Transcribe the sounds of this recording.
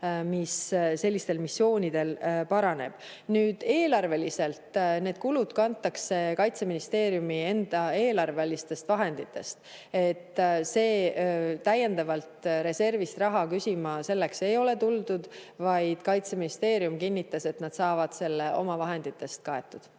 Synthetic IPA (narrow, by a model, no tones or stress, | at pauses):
misse̞lʲːist̪e̞lmisːjo̞ːnid̪̥e̞lpɑɾɑne̞̰b̥ | nyːd̪̥e̞ːlɑrve̞lise̞lt̪ne̞ːd̪̥̚kulud̪̥kɑnt̪ːˑɑkse̞kɑjt̪se̞minist̪e̞ːɾjumie̞nd̪̥ɑe̞ːlɑrvelist̪e̞st̪vɑɦe̞nd̪̥it̪ːe̞st̪ | e̞t̪ːˑse̞ːt̪æjːe̞nd̪ɑvɑlt̪ɾe̞se̞rvist̪rɑɦɑkysʲimɑse̞lːe̞kse̞jo̞le̞t̪uld̪ud̪̥vɑjd̪̥kɑjt̪se̞minist̪e̞ːɾijumkinʲːit̪ːˑɑse̞t̪nɑd̪̥sɑːvɑd̪̥se̞lːe̞ʔo̞̰mɑvɑɦe̞nd̪̥it̪ːˑe̞st̪̚kɑe̞t̪ːˑud̪̥